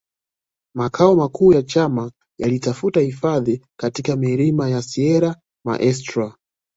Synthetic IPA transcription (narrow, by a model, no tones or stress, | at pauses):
makʰaɔmakʰuːjat͡ʃama | jalitafutahifaðikatikamɛɾimajasiɛɾa | ma̰ʔɛs̬tɾa